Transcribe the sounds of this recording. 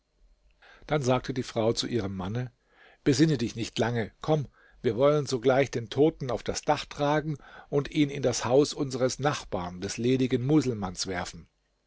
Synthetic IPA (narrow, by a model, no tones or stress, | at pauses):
d̥anzaːk̚tʰədiːfʁ̥aʊt͡suʔiːʁ̞əmːanə | b̥əzɪnədɪçnɪçtʰlaŋəkʰɔm | viːɐvɔlənzoːɡlaɪçd̥eːntʰoːtn̩aʊfd̥asd̥aχtʁ̥aːɡŋ̩ʔʊntʰʔiːnɪndashaʊsʔʊnzəʁəsnaχb̥a̰ːɐndɛsleːdɪɡən̩muːzl̩mansv̥ɛɐfn̩